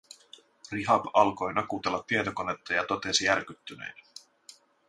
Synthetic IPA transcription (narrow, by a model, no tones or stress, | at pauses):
riɦɑpɑlko̞jnɑkut̪e̞lːɑt̪ːiet̪o̞kone̞t̪ːɑjɑt̪o̞t̪e̞sijærk̟yt̪ːynḛjn